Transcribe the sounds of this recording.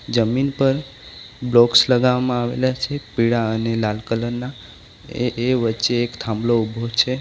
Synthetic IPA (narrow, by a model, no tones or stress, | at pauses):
d͡ʒəminpəɾ | blɔksləɡaʋamãaʋḛlat͡ʃʰepiɽaənelalkələnnːa | eeʋətːʃeːkt̪ʰãmbloubʱot͡ʃʰe